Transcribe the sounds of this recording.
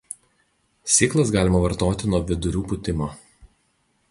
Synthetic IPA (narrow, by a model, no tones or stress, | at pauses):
sʲiːklˠɐsɡɑːlʲɪmɐʋɐɾt̪oːt̪ʲɪnuɔʋʲɪd̪ʊɾʲuːpʊt̪ʲɪmoː